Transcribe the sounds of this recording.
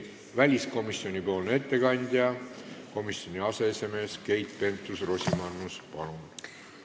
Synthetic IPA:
vælʲisko̞misːio̞nʲipo̞ːlnee̞t̪ːe̞kɑnʲd̪̥ʲjɑko̞misjo̞nʲiɑse̞ese̞me̞ːske̞jt̪pe̞nt̪ːˑusro̞sʲimɑnnːuspɑlun

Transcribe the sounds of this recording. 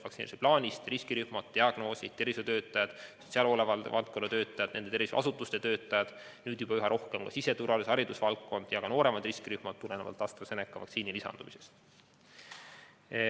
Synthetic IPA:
vɑksineɾiseplɑːnʲist̪riskiɾyhmɑd̪̥t̪iɑɡ̥no̞ːsʲid̪t̪ervisut̪ø̞ːt̪ːˑɑjɑd̪̥ | seɑlo̞levɑlvɑlt̪̚konːɑt̪ø̞ːt̪ːˑɑjɑd̪ne̞nd̪ee̞ɾviso̰ɑ̰sut̪ːˑust̪et̪ø̞ːt̪ːˑɑjɑd̪̥ | nyːd̪̥jub̥ɑyɦɑɾʔo̞hkemkɑ̰sise̞t̪uɾvɑliseɑɾid̪usvɑlkːo̞nd̪̥jɑɡ̥ɑno̞ːɾe̞mɑd̪riskiɾyhmɑt̪̚t̪ːulenevɑ̰lt̪ɑst̪vɑse̞nekːˑɑvɑ̰kt̪siːnilisɑ̰nd̪umise̞̥st̪

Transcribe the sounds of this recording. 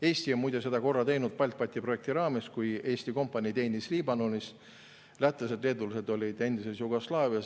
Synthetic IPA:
e̞ːsʲt̪ionmujd̪̥ese̞d̪̥ɑko̞rːɑt̪e̞jnud̪̥̚pɑlʲt̪̚pɑt̪ʲːˑipro̞e̞k̚t̪iɾɑːme̞skuje̞ːsʲt̪iko̞mpːˑɑnʲit̪e̞ːnisliːbɑno̞nʲis | læt̪ːˑesed̪le̞ːd̪ulise̞d̪o̞lʲid̪̥e̞nd̪ise̞sjuɡo̞slɑːviɑs

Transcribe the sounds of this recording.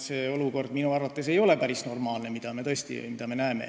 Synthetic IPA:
seːo̞luko̞rd̪̥minuɑrvɑt̪ːˑese̞jo̞lepæɾisno̞rmɑːlne̞mid̪̥ɑme̞t̪ɤ̞st̪ḭmid̪ɑme̞næeme̞̰

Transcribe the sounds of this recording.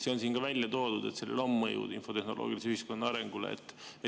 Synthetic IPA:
se̞onsiːnkɑvælʲjɑt̪o̞ːd̪̥ud̪̥e̞t̪se̞lːḛlo̞mːɤjṵd̪info̞t̪e̞hno̞lʔo̰ːɡ̥iliseyhisko̞nːɑɑɾe̞ŋɡ̥ulḛḛt̪ːe

